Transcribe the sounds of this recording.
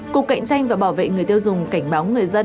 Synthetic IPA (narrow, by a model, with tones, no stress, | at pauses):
ku˨˩kːa̰˧˨jŋ̟t͡ɕa˧jŋ̟vaː˨˩ɓaː˧˩wvḛ˧˨ŋɨ˨˩əjt̪i˧wzʊ˨˩ŋ͡mka˧˩jŋ̟ɓaː˨˦wŋɨ˨˩əjzə˧